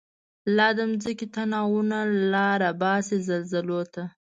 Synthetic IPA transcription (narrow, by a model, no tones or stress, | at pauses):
lɑd̪əmzəkit̪anɑwunalɑɾabɑsezalzalot̪a